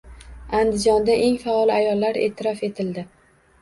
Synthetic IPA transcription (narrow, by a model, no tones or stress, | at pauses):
and̪ɪd͡ʒɒnd̪aʔe̞ŋfaɒlˠɪajɒlːaɾe̞̰ːt̪ʰɪɾɒfe̞t̪ʰɪld̪ɪ